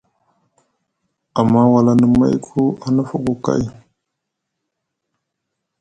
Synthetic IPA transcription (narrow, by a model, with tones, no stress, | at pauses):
a˨ma˦wa˨la˦nə˨ma̰˦jkʰu˦a˨nə˦fa˨ɡo˨ka̰˦˨j